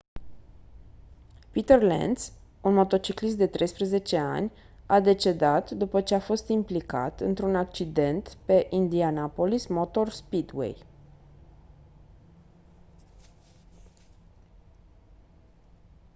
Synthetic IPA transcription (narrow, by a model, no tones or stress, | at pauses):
pit̪erlḛnd̪s | unmo̞t̪o̞t͡ʃiklis̬t̪̚d̪e̞t̪ɾe̞jspɾəze̞t͡ʃe̞a̰nʲ | ad̪e̞t͡ʃe̞d̪at̪d̪upət͡ʃe̞afo̞st̪implika̰t̪ɨnt̪ɾunak̚t͡ʃid̪e̞nt̪pe̞ʔind̪ianapo̞lismo̞t̪o̞rspid̪wḛj